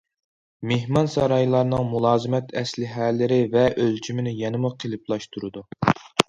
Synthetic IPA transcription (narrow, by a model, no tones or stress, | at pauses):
mehmɑnsɑɾɑjlˠɑɾnɨŋmulˠɑːzɨmɛt̪ʰɛslɪɦælːɪɾɪvɛʔølt͡ʃʰymɪnɪjɛnɨmuqʰelˠɪplˠɑʃt̪ʰuɾɨd̪u